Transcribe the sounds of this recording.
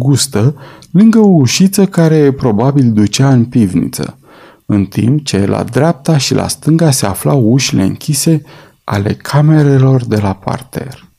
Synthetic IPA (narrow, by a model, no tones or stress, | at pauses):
ɡust̪əlɨŋɡəouʃit̪səkaɾe̞pɾo̞babild̪ut͡ʃaɨnpivnḭt̪sə̰ | ɨnt̪ḭmpt͡ʃe̞la̰d̪ɾeap̚t̪aʃilʔa̰st̪ɨŋɡase̞aflauʃile̞ɨ̰ŋkʲise̞ | a̰le̞̰kʰame̞ɾe̞lo̞rd̪e̞lapa̰rt̪ʰe̞̰r